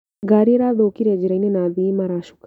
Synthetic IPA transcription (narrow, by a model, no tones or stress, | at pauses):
ɡaːɾijeɾaːd̪oːkiɾed͡ʒiɾainenaːd̪iːmaɾaːʃu̥k